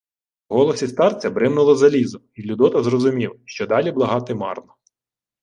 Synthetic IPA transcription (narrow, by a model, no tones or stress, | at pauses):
ɦɔlˠɔsʲist̪ɑrt͡sʲɐbɾɪmnʊlˠɔzɐlʲizʊ | ilʲʊd̪ɔt̪ɐzɾrɔzʊmʲiwʃt͡ʃɔd̪ɑlʲiblˠɐɦɑt̪ɪmɑ̰rnɔ